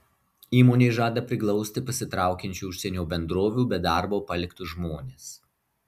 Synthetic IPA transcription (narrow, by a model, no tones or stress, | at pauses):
iːmoːnʲeːɪʒɑːd̪ɐpʲɾʲɪklˠɒʊsʲt̪ʲɪpɐsʲɪt̪ɾɑˑʊkʲɛnʲt͡ʃʲuˑːʊʃʲsʲɛnʲouːbʲɛnd̪ɾoːʋʲuːbʲɛd̪ɑˑɾboːpɐlʲɪkt̪ʊʒmoːnʲeːs